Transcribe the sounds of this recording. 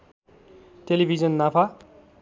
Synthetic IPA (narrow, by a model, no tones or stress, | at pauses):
telibʱid͡zʌnːapʰa